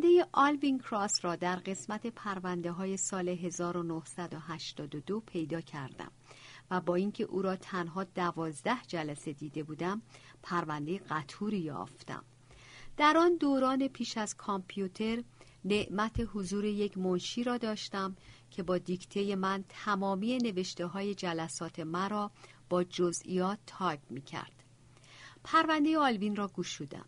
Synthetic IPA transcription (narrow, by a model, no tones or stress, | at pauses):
nd̪ejeʔɒlviŋkʰɾɒsɾɒːd̪æɾɢe̞smæt̪ʰe̞pʰæɾvænd̪e̞ɦɒːje̞sɒːle̞ɦe̞zɒːɾo̞nohsæd̪oɦæʃt̪ɒːd̪od̪o̞pʰe̞jd̪ɒːcʰæɾd̪æ̰mvæbɒːiŋcʰe̞ʔuːɾɒːt̪ʰænɦɒːd̪ævɒːzd̪æhd͡ʒælæse̞d̪iːd̪e̞buːd̪æmpʰæɾvænd̪e̞jeɢæt̪ʰuːɾijɒ̰ːft̪æ̰m | d̪̥æɾɒːnd̪oːɾɒːne̞pʰiːʃæzkʰɒmpʰijut̪ʰe̞ɾ | ne̞ʔmæt̪ʰe̞hozuːɾeje̞cʰmonʃiːɾɒːd̪ɒːʃt̪æmcʰe̞bɒːd̪ikʰt̪ʰe̞je̞mænt̪ʰæmɒːmiːje̞ne̞ve̞ʃt̪e̞ɦɒːje̞d͡ʒælæsɒːt̪ʰe̞mæɾɒː | b̥ɒːd͡ʒozʔḭjɒːt̪ʰːɒːjbmiːcʰæ̰ɾd̪̥ | pʰæɾvænd̪e̞jeɒːlbinrɒːɡuːʃuːd̪æ̰m